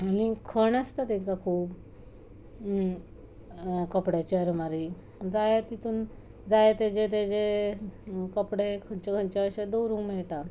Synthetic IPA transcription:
anikʰəɳəst̪at̪eŋkakʰuːb | kəpɽjat͡ɕiəɾmaɾi | d͡zajat̪it̪ʰuːn | d͡zajat̪ed͡ʑet̪̬ed͡ʑe | kəpɽekʰənt͡ɕekʰənt͡ɕaəɕad̪owɾuŋmɛɭʈ̪a

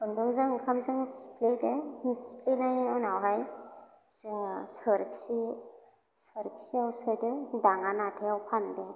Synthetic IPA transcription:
bɯndɯŋzɯŋkʰamzɯŋspledeisplenajɔnawɦaj | sɯɾkʰsi | sɯɾkʰsiawsɯdɯdaŋanatʰeawpʰande

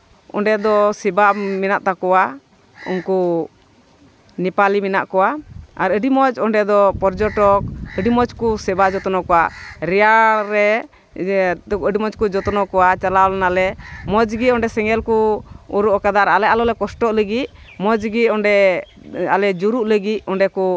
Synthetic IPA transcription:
ɔ̰ɳɖɛd̪ɔsɛbamɛnaʔt̪akɔwa | ṵnku | nipalimɛnaʔkɔwaaɾəɖimɔt͡ʃɔɳɖɛd̪ɔpɔɾd͡ʒɔʈɔk̚əɖimɔt͡ʃkusɛbad͡ʒɔt̪ɔnɔkɔwaʔɾɛjaɾɛ | əɖimɔt͡ʃkud͡ʒɔt̪ɔnɔkɔwat͡ʃalawlɛnalɛmɔd͡ʒɡiɔ̃ɳɖɛsɛŋɡɛlkuuɾuʔɔkad̪aɾalɛʔalɔlɛkɔsʈɔʔləɡit̪̚ | mɔd͡ʒɡit̪ɔɳɖɛ | a̰lɛd͡ʒuɾuʔləɡit̪̚ɔɳɖɛku

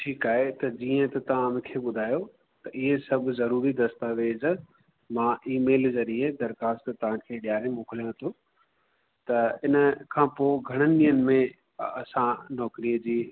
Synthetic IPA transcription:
ʈʰiːkaːɦet̪ɐd͡ʑiːə̃t̪ɐt̪ɐʋ̤ãmɪ̃kʰeɓʊd̪ʱaːjo | t̪ɐʔɪɦesɐbʱzɐɾuːɾid̪ɐst̪aːʋeːz | mãʔiːmeːlzɐɾied̪ɐɾxaːst̪t̪ɐʋ̤ãkʰeːɗɪjaːɾemoːkʰɪlijõt̪ʰo | t̪ɐɪnə̆kʰãːpoːɡʱɐɽ̃ənɪɗiːənɪ̆mẽ | ɐsãnɔːkɾijəd͡ʑiː

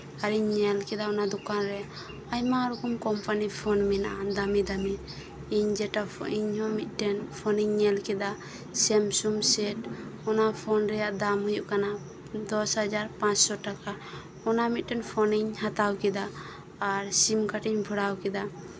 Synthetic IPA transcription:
aɾiɲːɛlkɛd̪aɔnad̪ɔkanɾɛ | ajmaɾukumkɔmpanipʰɔnmɛna̰ʔad̪amid̪ami | iɲd͡ʒɛʈaiɲɦɔmit̪̚ʈɛnpʰɔniɲːɛlkɛd̪a | sɛmsumsɛʈɔnapʰɔnɾɛjaʔd̪amɦujuʔkana | d̪ɔshad͡ʒaɾpãt͡ʃsɔʈaka | ɔnamit̪̚ʈɛnpʰɔniɲhat̪awkɛd̪aː | ɾsimkaʈiɲbʱəɽawkɛd̪a

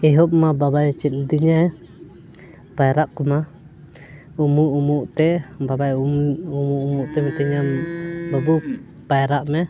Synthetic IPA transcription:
ɛɦɔp̚mababajt͡ʃɛt̪̚ld̪iɲaɛ | bajɾaʔkɔma | umuʔumuʔt̪ɛbabajumuʔumuʔt̪ɛmɛt̪ɛɲambabu | b̥ajɾaʔmɛ

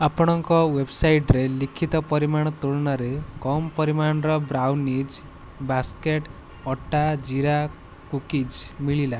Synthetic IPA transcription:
apɔɽ̃ɔŋkɔwebsajʈɾelikʰit̪ɔpɔɾimaɽ̃ɔt̪uɭnaɾekɔmpɔɾimaɳ̃ɾɔbɾawnid͡ʒ | baskeʈ | ɔʈad͡ʒiɾa | kukid͡ʒmiɭila

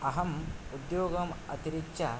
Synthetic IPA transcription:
ɐɦɐmud̪joːɡɐmɐ̰t̪iɾit͡ʃːt͡ʃɐ

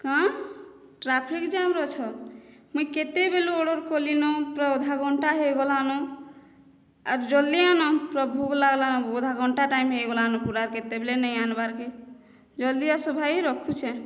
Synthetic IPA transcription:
kã | ʈɾapʰikd͡ʒamɾɔt͡ʃʰɔmuiket̪ebeluoɽɔɾkɔlinɔpɾɔod̪ʱaɡʱɔɳʈaɦeɡɔlanɔ | a̰ɾd͡ʒɔld̪ijanɔpɾɔbʱuɡlaɡlanɔ̃od̪ʱaɡʱɔɳʈaʈaimɦeɡɔlanɔpuɾaɾket̪ebelenəianbaɾke | d͡ʒɔld̪ijasɔbʱaiɾɔkʰut͡ʃʰɛ

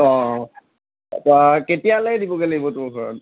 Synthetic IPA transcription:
ɔ̃ | taketijaledibɔɡeleibɔtʊɹɡʱɔɹɔ̰n

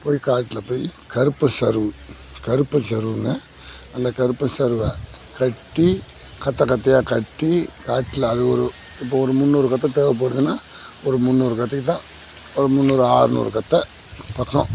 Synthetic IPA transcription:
poːjikaːʈːɪlɐpoːjkɐɾɯpːɐsɐɾɯʋɯ | kɐɾɯpːɐnsɐɾɯʋɯŋɡɐ | ɐnd̪ɐkɐɾɯpːɐnsɐɾɯʋɐkɐʈːi | kɐt̪ːɐkɐt̪ːɐjaːkɐʈːikaːʈːɪlɐɐðɯɔɾɯ | ɪpːoɔɾɯmʊnːuːɾɯkɐt̪ːɐt̪eːʋɐp̬ːɐɽɯðɯnːaːɔɾɯmʊnːoːɾɯkɐt̪ːɐkːt̪ːãːɔɾɯmʊnːoːɾɯaːɾɯnṵːɾɯkɐt̪ːɐ | pɐkːõ̰

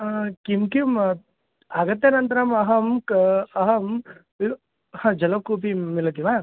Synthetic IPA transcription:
kimkjum | aɡɐt̪jɐnɐnt̪ɐɾɐmɐɦɐmkɐɦɐm | hãd͡ʒɐlɐkupimilɐkima

